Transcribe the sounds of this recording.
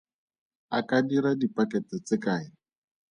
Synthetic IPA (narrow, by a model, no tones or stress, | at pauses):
akadiɾadipʼakɛt͡sɪt͡sɪkaːɪ